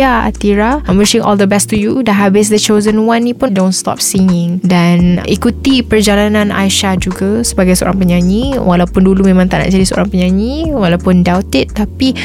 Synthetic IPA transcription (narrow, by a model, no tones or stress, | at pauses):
aa̰t̪iɾamiʃɪ̃ŋʔɔ̰ld̪əbɛst̪ujudaɦabɪs̬dət͡ʃozənwanːĩpʊndõwnst̪ɔ̰p̚siŋɪ̃ŋdanʔikut̪ipərd͡ʒalanãna̰jʃad͡ʒuɡasəbaɡajsəo̰ɾaŋpəɲãɲiwʔalawpʊndulumẽmãŋt̪aʔna̰ʔd͡ʒadisəo̰ɾãŋpəɲãɲiwalawpʊndawt̪ɪt̪ːapi